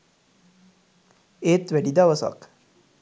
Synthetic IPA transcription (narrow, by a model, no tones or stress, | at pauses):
eːt̪ʋæɖid̪aʋəsa̰k